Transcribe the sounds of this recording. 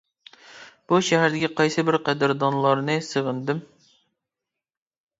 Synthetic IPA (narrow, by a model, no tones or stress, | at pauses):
b̥uʃɛɦæɾd̪ɪkʲiqʰɑjsɨbɪɾqæd̪ɪɾd̪ɑnlˠɑɾnɨsɨʁənd̪ɨm